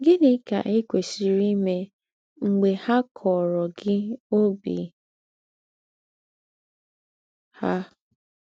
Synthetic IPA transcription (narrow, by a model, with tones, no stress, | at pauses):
ɡɪ˦nɪ˦ka̰˨ʔi˦kʷe˨si˨ɾi˦me˦ | ŋ͡m̩˨ɡ͡be˨ha˦kʰɔ˨ɾɔ˨ɡɪ˦o˦bḭ˨ | ha˦